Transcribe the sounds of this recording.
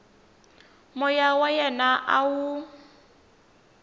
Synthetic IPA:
mɔjawajɛnaʔawu

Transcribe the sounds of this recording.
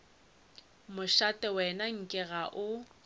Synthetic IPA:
mʊʃatʼɛwɛnaŋ̩kʼɪɣaʔʊ

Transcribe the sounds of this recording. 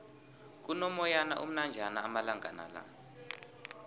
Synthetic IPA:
k̬unɔmɔjanaʔum̩nand͡ʒʱanaːmalaŋʱa̰na̰la̰

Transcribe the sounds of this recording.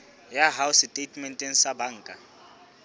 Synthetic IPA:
jaɦawstʼetʰmɛntʼɛnsabaŋːkʼa

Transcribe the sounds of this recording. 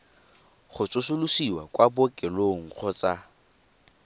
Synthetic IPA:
χʊt͡sʼʊsʊlusiwa̰kʼwabʊkʼɪloŋ̩χʰʊt͡sa

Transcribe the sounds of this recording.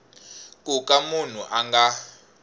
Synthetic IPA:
kʼukʼamun̤ṵʔaŋɡa

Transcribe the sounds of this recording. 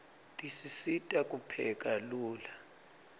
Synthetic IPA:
tʼisisitʼakʼupʰɛ̰kʼaluːla

